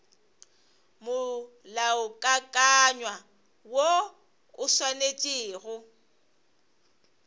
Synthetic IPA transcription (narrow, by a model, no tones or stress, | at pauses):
mʊ | laʊkʼakʼaɲwa | wo | ʊswanet͡ʃʼɪːɣʊ